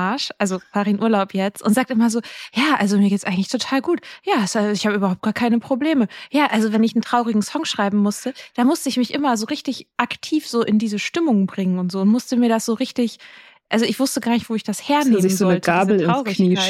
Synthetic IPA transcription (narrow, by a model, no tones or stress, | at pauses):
aɐʃʔʔalzov̥aːʁəɪnʔuːɐlaʊpʰjɛt͡stʔʊntzaːk̚təɪmɐzoːjaːʔalzomiɐɡeːtsʔaɪɡŋ̩tlɪçtʰotʰaːlɡuːtjaːsaɪçhaːbəʔyːbɐhaʊp̚tɡ̥aːɐkʰaɪnəpʁ̥obleːməjaːʔalzovɛnɪçn̩tʁ̥aʊʁɪɡŋ̩sɔŋʃʁ̥aɪbm̩mʊstəd̥aːmʊstəɪçmɪçʔɪmɐzoːʁɪçtɪçʔaktʰiːfz̥oːʔɪndiːzəʃtɪmʊŋbʁɪŋənʊntz̥oːʊntmʊstəmiːɐdasz̥oːʁɪçtɪç | ʔalzoɪçv̥ʊstəɡaːɐnɪçtv̥oːɪçd̥asheːɐneːmɪənzoːɔnəltəɡaːbl̩tɪʁʊʁɪniːkaɪ